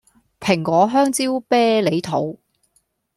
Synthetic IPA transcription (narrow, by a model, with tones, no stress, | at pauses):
pʰɪ˨˩ŋkʷɔː˨˥ɦœː˥ŋt͡siː˥wpɛː˥le˨˧jt̪ʰo˨˥w